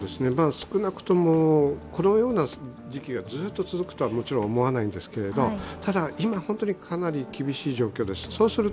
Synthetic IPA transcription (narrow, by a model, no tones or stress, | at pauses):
d̪e̞sɨne̞maːsɨ̥kɯ̟nakɯ̟̥t̪o̞moːkʰo̞no̞jo̞ːna | d͡ʑikʲiɡad͡zɨːt̪ːo̞t͡sɨzɨkɯ̥t̪o̞βamo̞t͡ɕiɾõ̞omo̞βanaĩnd̪e̞sɨ̥ke̞ɾe̞d̪o̞t̪ad̪aimahõ̞nt̪o̞ɲ̟ikʰanaɾʲikʲibʲiɕiːʑo̞ːkʲo̞ːd̪e̞sɨ̥so̞ːsɨɾɯ